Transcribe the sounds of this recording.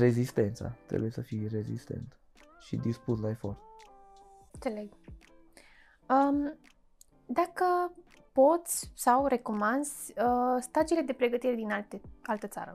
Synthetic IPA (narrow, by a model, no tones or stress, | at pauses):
ɾe̞zist̪e̞nt̪sa̰t̪ɾḛbuje̞səfijɾe̞zḭst̪e̞̰nt̪ | ʃḭd̪ispuslae̞fort̪ | nt̪seleɡ | əm | d̪akə | po̞t̪sʲsawre̞ko̞mand̪zʲəst̪ad͡ʒile̞d̪e̞pɾe̞ɡət̪iɾe̞d̪inat̪ealt̪ət̪sa̰ɾə̰